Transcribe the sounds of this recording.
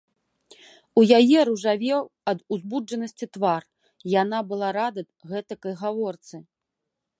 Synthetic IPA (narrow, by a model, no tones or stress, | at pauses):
ujajɛɾuʐavʲɛw | ɐd̪uzbud͡ʐɐnɐsʲt͡sʲit̪var | janabɨlˠaɾad̪ɐd̪ɣɛt̪ɐkɐjɣavɔrt̪sɨ